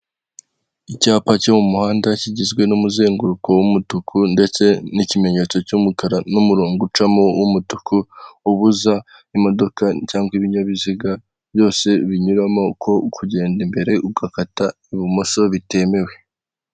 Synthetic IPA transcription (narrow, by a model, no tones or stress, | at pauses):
icaːpacomumuhaːndaciɟizɡwe̞numuze̞ːŋɡuɾuko̞wumutukʰunde̞t͡se̞nicime̞ɲe̞t͡so̞cumukaɾanumuɾuːŋɡut͡ʃamowʔumutu̥kʰuuβuza | imo̞do̞kacaːŋɡwiβiɲaβiziɡa | βjo̞ːse̞βiɲuɾamo̞kʰo̞kʰuɟe̞ːndimbe̞ɾe̞ʔub̚ɡakataiβimoso̞βite̞me̞we̞